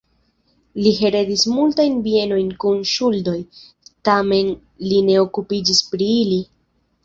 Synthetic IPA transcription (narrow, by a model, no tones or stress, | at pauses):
liɦe̞ɾe̞dismultajnbie̞no̞jnkunʃuldo̞j | tame̞n | line̞o̞kupid͡ʒispɾiili